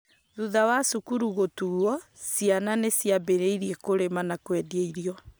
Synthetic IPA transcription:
ðuðawasukuɾuɣotuwɔsiananesjabeɾeiɾiɛkoɾemanakwɛdieiɾiɔ

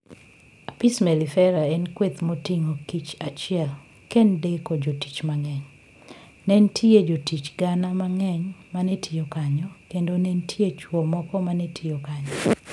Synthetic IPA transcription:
apismɛlifɛɾaɛnkwet̪motiŋokit͡ʃat͡ʃɪɛl | kɛndekod͡ʒoti̥t͡ʃmaŋɛɲ | nɛntʰied͡ʒotit͡ʃɡanamaŋɛɲmanetʰijokaɲɔkendonɛntʰiet͡ʃwɔmɔkɔmanɛtʰijokaɲɔ

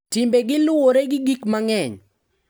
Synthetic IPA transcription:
tɪmbeɡɪlʊwoɾeɡɪɡikmaŋɛɲ

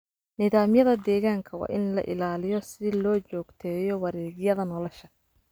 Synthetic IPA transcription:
nɪðaːmjɐðɐd̪ɛːɣaːŋkʰɐwɑ̰ːʔɪnlɐ̰ʔɪ̰laːlɪjɔsɪlɔːt͡ʃɔːɡt̪ʰɛːjɔwɐɾɛːɣjɐðɐnɔlɔʃɐ

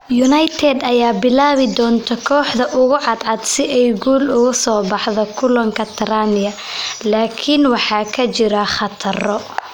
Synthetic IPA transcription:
jʊnɐjt̪ʰɛd̪ɐjaːbɪlaːβɪd̪ɔːnt̪ʰɐkʰɔːħd̪ɐʔʊɣʊʕɑd̪ʕɑd̪sɪʔɛjɡuːlʊɣʊsɔːbɑħðɔkʰʊlɐŋkʰɐt̪ʰɐɾaːnɪjɐlaːkʰɪnwɑħɑːkʰɐt͡ʃɪɾɐχɑt̪ʰɐrɔ

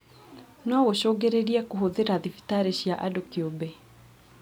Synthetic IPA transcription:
nɔɣoɕɔːɡeɾeɾiakoɦoðeɾaðifi̥taɾeɕjaʔadokiobɛ

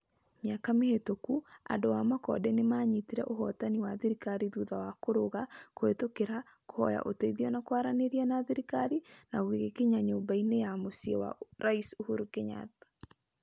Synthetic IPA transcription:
mjakamehetokua̰dowamakɔ̰dɛnemaːɲitiɾɛʔoɦɔtaniwaðiɾikaɾiðuðawakoɾoɣakoetokeɾa | kohɔja̰ʔoteiðiɔnakwaɾaneɾianaðiɾikaɾinaɣoɣeɣekeɲaɲoːmbainejamosiewa̰ɾaisuhuɾukeɲa̰tḁ

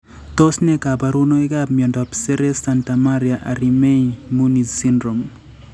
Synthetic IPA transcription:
tosnekabaɾunoikapmjɔndɔapseɾesantamaɾjaʔa̰ɾimeimunisindɾom

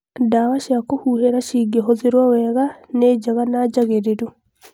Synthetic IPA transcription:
dawaʃjakohuːheɾaʃiːɡeɦozeɾwawɛɣaned͡ʒaɣanad͡ʒaɣeɾeɾu

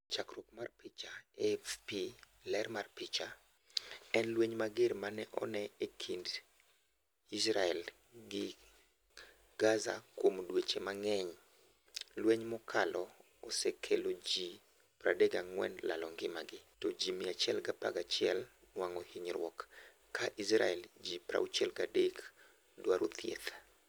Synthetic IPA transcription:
t͡ʃakɾokmarpɪt͡ʃaɛfpi | lɛrmarpɪt͡ʃa | ɛnlweɲmaɡeɾmanɛʔɔ̰nɛekʰind | isɾaɛl | ɡɪ | ɡ̥aza̰kwomdwet͡ʃemaŋɛɲ | lweɲmɔkʰalʔɔ | osekʰelod͡ʒi | pɾa̰dɛɡaŋwɛ̰nla̰lɔŋɡɪmaɡɪtɔd͡ʒimiat͡ʃjɛlɡapa̰ɡat͡ʃɪɛl | nwaŋɔhiɲɾwɔkː | aʔisɾa̰ɛld͡ʒipɾa̰ut͡ʃɛlɡadek | dwaɾot̪ʰjḛt̪

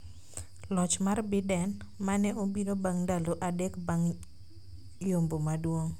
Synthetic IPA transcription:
lɔt͡ʃmarbɪdɛn | manɛʔobinobaŋdaloʔadɛkbaŋ | jombomadwoŋ

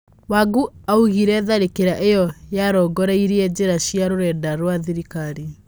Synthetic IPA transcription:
waɡuauɣiɾɛðaɾekeɾaʔejɔjaɾɔɡɔɾɛiɾeɛd͡ʑeɾaɕjaɾoɾɛːdaɾwaðiɾikaɾi

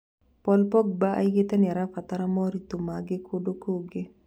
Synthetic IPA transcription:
pɔlpɔɡ̚baʔa̰iɡɪt̪ɛnɛɾafat̪aɾamɔɾit̪umaɡekʰodokoɡe

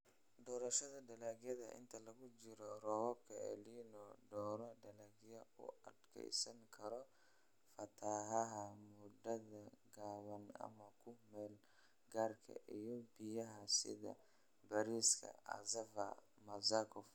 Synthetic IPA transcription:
d̪ɔːɾɐʃɐðɐd̪ɐlaːɣjɐðɐ̰ʔɪ̰nt̪ʰɐlɐɣʊt͡ʃɪɾɔrɔwab̚kʰɐʕɛ̰liːnɔd̪ɔːɾɐd̪ɐlaːɡjɐʊ̰ɐd̪kʰɛ̰jsɐŋkʰɐɾɔ | fɐt̪ʰaɦɐɦɐmʊd̪ɐðɐɡaːβɐnɐ̰mɐkʰʊmɛːl | ɡaːrkʰɐ̰ʔijɔbijɐɦɐsɪ̰ðɐ̰ | bɐɾiːskʰɐ̰ɐ̰zɐvɐ̰ | mɐzakʰɔf

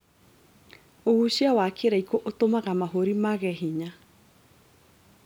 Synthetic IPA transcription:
ohuɕiawakʰeɾaikoʔotomaɣamaɦoɾimaɣɛɦiɲa

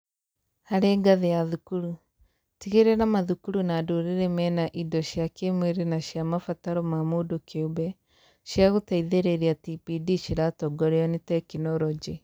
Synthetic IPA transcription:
haɾeːɡaðejaðukuɾu | tiɣeɾɛnamaðukuɾunaːdoɾeɾɛmɛnaʔidɔʃjakemweɾenaʃjamafataɾɔmamodokʰeobɛ | ʃjaɣotaiðeɾeɾiatipidiʃiɾatɔɡɔɾeɔnitɛkinɔɾɔd͡ʒi

